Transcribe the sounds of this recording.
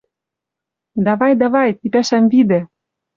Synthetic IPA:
d̪ɑβɑjd̪ɑβɑjt̪ipæʃæmvid̪ĕ

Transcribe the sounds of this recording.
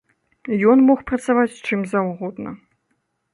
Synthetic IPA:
jɔnmɔxpɾɐt̪savat͡sʲt͡ʂɨmzawɣɔd̪nɐ̰

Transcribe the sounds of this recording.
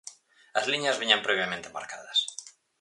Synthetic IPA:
ɐzliɲazβiɲampɾoβjamẽnt̪ema̰ɾkaðɐs

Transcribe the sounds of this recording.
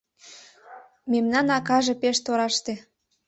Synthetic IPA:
memnɑnɑkɑʒepeʃt̪oɾɑʃt̪e

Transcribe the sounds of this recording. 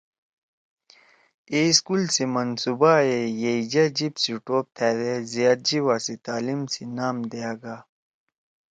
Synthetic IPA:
eskulsimɐnsubaejeid͡ʑɐd͡ʑibsiʈoːp̚t̪ʰeːɾezijaːt̪̚d͡ʑiwasit̪aːlimsinaːmd̪eaɡa

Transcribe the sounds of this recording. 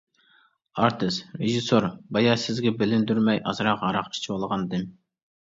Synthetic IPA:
ɑɾt̪ʰɨsɾeʒisoɾbɑjɑsɪzɡʲɛbɪlɪnd̪yɾmɛjʔɑ̰zɾɑqɑɾɑqi̥t͡ʃʰiolˠʁɑnd̪ɨm

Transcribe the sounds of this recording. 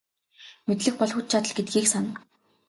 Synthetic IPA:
met̪ɮɘ̆x̚pɔɮxut̪̚t͡ɕʰat̪ə̆ɮɡet̪̚ɡiːksanə̆

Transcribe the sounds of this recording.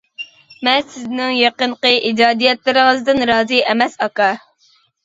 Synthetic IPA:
mɛnsɪznɪŋjɑqəɴqəʔid͡ʒɑːd̪ijɛt̪lɪɾɨŋəzd̪ɨnɾɑːzɨʔɛmɛsɑkɑ

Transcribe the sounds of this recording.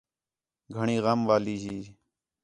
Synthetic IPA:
ɡʱəɳiːɣəmʋaːliːɦiː

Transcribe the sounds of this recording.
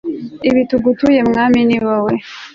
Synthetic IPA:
iβituɡutuje̞mŋaːminiβowe

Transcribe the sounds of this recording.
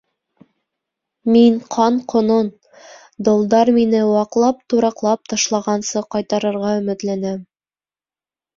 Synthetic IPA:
miŋqʰɑɴqʰŏnon | d̪ŏlˠd̪ɑɾminɘwɑqlˠɑp̚t̪uɾɑqlˠɑp̚t̪ɑʃlˠɑʁɑnsɤqɑjt̪ɑɾɤ̆ɾʁɑɵ̆mɘ̆t̪lænæm

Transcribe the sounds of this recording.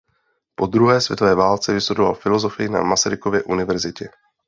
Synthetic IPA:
po̞d̪ɾuɦɛːsvjɛ̰t̪ovɛːvaːlt͡sɛvɪsudova̰lfɪlo̞zo̞fɪjɪna̰masaɾɪko̞vjɛʔunɪvɛɾzɪcɛ

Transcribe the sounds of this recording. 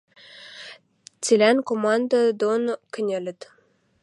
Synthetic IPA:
t͡sʲilʲænkomɑnd̪əd̪onkɘ̆nʲelɘ̆t̪

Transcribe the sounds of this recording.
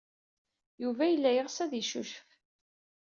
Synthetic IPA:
juvæjəlːæjəʁsæðjəʃuʃəf

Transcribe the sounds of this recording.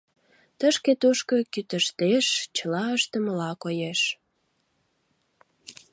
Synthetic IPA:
t̪əʃket̪uʃkə̆kyt̪əʃt̪eʃt͡ɕəlɑəʃt̪əməlɑkojeʃ

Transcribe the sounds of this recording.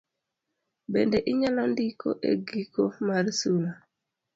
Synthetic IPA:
bendeʔiɲalandiko̰ʔḛɡikomaɾsuna

